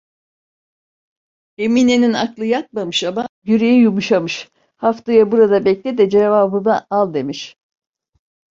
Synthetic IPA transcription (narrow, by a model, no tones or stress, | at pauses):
e̞mine̞nina̰klˠɯjak̪̚mamɯʃamajyɾejijumuʃamɯʃ | haft̪ajabuɾad̪abɛclʲid̪ɛd͡ʒevaːbɯnaalˠd̪e̞miʃ